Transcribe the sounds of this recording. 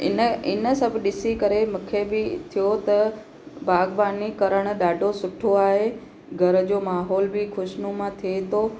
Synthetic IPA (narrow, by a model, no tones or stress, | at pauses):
ɪ̰nəɪnəsɐbʱɪɗɪsikɐɾemũkʰebɪt̪ʰijot̪ɐ | baːɡʋaːnikɐɾəɽ̃̆ɗaːɖʱosʊʈʰoaːɦe | ɡʱɐɾə̆d͡ʑoːmaːɦɔːlbɪxʊʃnumãt̪ʰiet̪ʰoː